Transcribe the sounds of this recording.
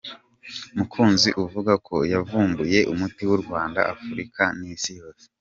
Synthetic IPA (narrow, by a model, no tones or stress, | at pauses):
umukʰuːnziʔuvuɡakʰo̞javuːmbuje̞ʔumutiwuɾɡwaːnda̰ʔafuɾikaniːsijo̞ːse